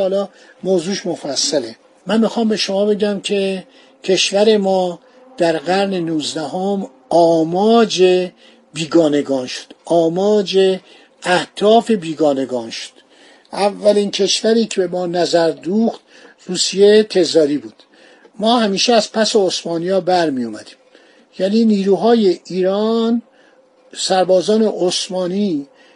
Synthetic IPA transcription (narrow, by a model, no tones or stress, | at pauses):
ɒːlɒ | moːzuːʃmofæsːæle | mænmixɒːmbe̞ʃo̞mɒːbe̞ɟæmcʰe̞ | cʰe̞ʃvæɾe̞mɒː | d̪̥æɾɢæɾne̞nuːzd̪æɦom | ɒːmɒːd͡ʒe | biːɡɒːneɡɒːnʃo̥d̪̥ɒːmɒːd͡ʒe | æht̪ʰɒːfe̞biːɡɒːne̞ɡɒːnʃo̥d̪̥ | ʔævːælincʰe̞ʃvæɾiːcʰebe̞mɒːnæzæɾd̪uːxt̪ | ruːsijet̪ʰe̞zɒːɾiːbuːd̪̥ | mɒːhæmiːʃeæz̥pʰæse̞osmɒːnijɒːbæɾmijomæd̪iːm | jæniːniːɾuːɦɒːjeʔiːɾɑn | sæɾbɒːzɒːne̞ʔosmɒːniː